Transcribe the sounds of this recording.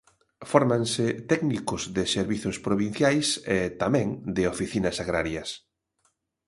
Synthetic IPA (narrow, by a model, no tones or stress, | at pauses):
fɔɾmãŋsɪt̪ɛɡnikʊzðɪseɾβiθʊspɾoβin̟θjajset̪amɛ̃ŋd̪ɪofiθinɐsaɣɾaɾjɐs